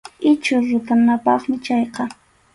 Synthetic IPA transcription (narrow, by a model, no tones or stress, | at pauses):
ɪt͡ʃʊɾʊt̪anapɑχmɪt͡ʃɑjqɑ